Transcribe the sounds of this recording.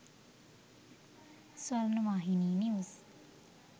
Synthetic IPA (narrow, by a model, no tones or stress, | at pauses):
swaɾnəʋaɦiniːnis